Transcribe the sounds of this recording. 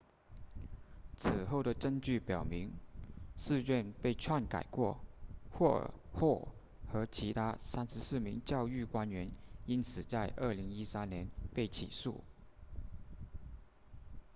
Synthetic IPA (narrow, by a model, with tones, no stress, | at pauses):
t͡s̩ʰ˨˩xo˥˩ʊɾə˩ʈ͡ʂə˥˧ŋt͡ɕy˥˩pjɑ˨˩ʊmi˧˥ŋʂɹ̩˥˧ɥɛ˥˧npe˥˧ɪʈ͡ʂʰwa˥˩nka̰˨˩ɪkwɔ˥˩xwɔ̰˥˩xwɔ˥˩ | xɤ˧˥t͡ɕʰi˧˥t̪ʰa˥sa˥nʂɻ̩˧˥sɹ̩˥˩mi˧˥ŋt͡ɕjɑ˥˧ʊy˥˩kwa˥nɥɛ˧˥ni˥nt͡sʰɹ̩˨˩t͡sa˥˧ɪʔə˥˩li˧˥ŋi˥sa˥nnjɛ˧˥npe˥˩ɪt͡ɕʰḭ˨˩sṵ˥˩